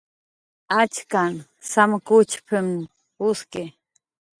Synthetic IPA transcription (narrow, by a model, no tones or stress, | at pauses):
at͡ʃkan | samkʊt͡ʃpʰɪm | ʊskɪ